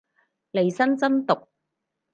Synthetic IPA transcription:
le˨˩jsɐ˥nt͡sɐ˥mt̪ʊ˨k̚

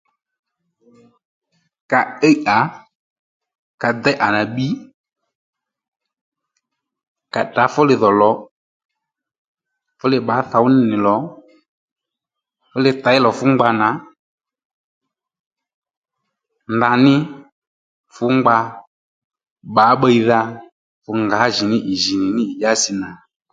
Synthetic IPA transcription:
ka˨ɛ˦ʔa˨ | ka˨d̪ɛ˦ʔa˨na˨ɓi˦ | ka˨ta˨˦fʊ˦lɪ˧ðɔ˨lɔ˨˦ | fʊ˦lɪ˧ɓa˨˦θa˨˦wʊ˦nɪ˦nɪ˨lɔ˨˦ | fʊ˦lɪ˧t̪a˨˦ɪ˦lɔ˨fʊ˦ŋ͡mɡ͡ba˧na˨˦ | nda˧nɪ˦ | fʊ˦ŋ͡mɡ͡ba˧ | ɓa˨˦ɓə˧i˧ða˧ | fʊ˧ŋɡa˨˦ʒɪ˨nɪ˦ʔɪ˨ʒi˨nɪ˨nɪ˦ɪ˨ʄa˦sɪ˧na˨

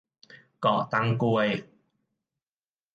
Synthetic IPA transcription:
kɔː˧˩k̚t̪ɐ˥ŋkuː˥˧j

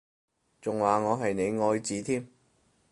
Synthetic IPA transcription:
t͡sʊ˨ŋwaː˨˩ŋɔː˨˧ɦɐ˨jne˨˧jŋɔː˧jt͡siː˨˥t̪ʰiː˥m

